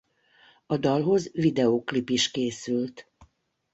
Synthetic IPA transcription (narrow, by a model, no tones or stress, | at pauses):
ɒd̪ɒlɦo̞zvid̪ɛoklipiʃkeːsylt̪